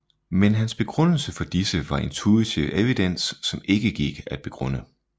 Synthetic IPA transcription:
menɦænsb̥e̝ɡ̥ʁɔ̽n̰l̩səfɒ̽d̥isəʋɑ̈e̝nt͡sʰuit͡sʰiʊʔeʋid̥en̰sːɒ̽me̝ɡ̥əɡ̥iɡ̥æd̥̚b̥e̝ɡ̥ʁɔ̽n̰ə

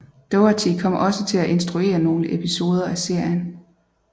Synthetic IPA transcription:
d̥oʊæt͡sʰikʰɒ̽m̰ɒ̽sət͡sʰe̝læʔe̝nsd̥ʁue̝̰ːɐno̝ːləʔe̝pʰiso̝ːð̞ˠɐæse̝ɐ̰jən

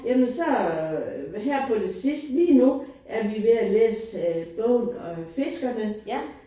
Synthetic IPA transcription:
jæmənsɒ̽ | ɦæɐ̰pʰɒ̽de̝sisd̥liːnuʔæɐʋiʋeælḛːsb̥ɔ̰ːnɒ̽fe̝sɡ̥ɐnə

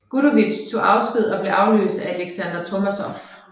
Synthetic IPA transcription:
ɡ̥uɾoʋilɕt͡sʰo̝ʔɑ̈ʊsɡ̥ʁið̰ˠɒ̽b̥le̝ʔɑ̈ʊlø̰ːsd̥ææleɡ̥sænd̥ɐt͡sʰo̝mæsɒf

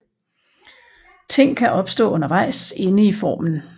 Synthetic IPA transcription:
t͡sʰe̝ŋ̰kʰæʔɒ̽b̥sd̥ɔ̰̽ːɔ̽nɐʋɑ̈ɪ̰se̝nəifɒ̰ːmn̩

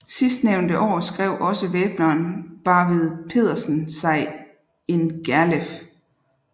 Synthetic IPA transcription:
sisd̥neʊnd̥əʔɒ̰ːsɡ̥ʁɛʊ̰ʔɒ̽səʋeːb̥nɐːnb̥ɑ̈ʋeð̞ˠpʰe̝̰ðˠɐsən̩sɑ̈ɪ | e̝nɡ̥æɐlef

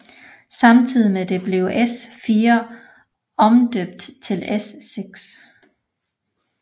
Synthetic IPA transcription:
sɑ̈mt͡sʰið̰ˠimed̥e̝b̥le̝ʊʔesfiːɐ | ɒ̽md̥øb̥̚d̥t͡sʰe̝lesːeɡ̥s

